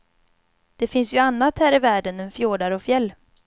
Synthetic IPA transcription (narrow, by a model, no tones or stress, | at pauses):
d̪̥ɛfɪnsjɵanːat̪hæːɾɪvæːɖənɛnfjoːɖaɾɔfjɛlː